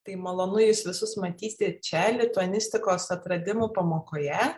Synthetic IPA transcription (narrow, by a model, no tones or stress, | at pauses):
t̪ɐɪmɐlˠoːnʊjɪsʋʲɪsʊsmɐt̪ʲiːsʲɪt͡ʃʲɛlʲɪt̪uɐnʲɪsʲt̪ʲɪkoːsɐt̪ɾɐd̪ʲɪmopɐmoːkoːjɛ